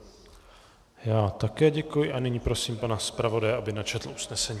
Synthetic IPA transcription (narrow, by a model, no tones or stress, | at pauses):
jaːt̪akɛːɟɛkujɪʔanɪɲiːpɾo̞siːmpanaspɾavo̞dajɛabɪnat͡ʃɛt̪l̩ʔusnɛsɛɲiː